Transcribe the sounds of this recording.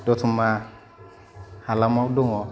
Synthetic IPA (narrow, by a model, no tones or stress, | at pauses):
dɔtuma | halamadoŋɔ